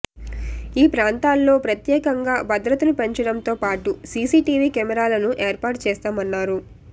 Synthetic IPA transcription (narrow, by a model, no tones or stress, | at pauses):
iːpɾaːnt̪aːlːo̞ːpɾɐt̪jɛːkɐŋɡaːbɐd̪ɾɐt̪ɐnupe̞ɲt͡ʃɐɽɐnt̪o̞ːpaːʈusiːsiːʈiːʋiːkɛmɛɾaːlɐnuʔe̞ːɾpaːɾʈt͡ʃɛːst̪aːmɐnːaːɾu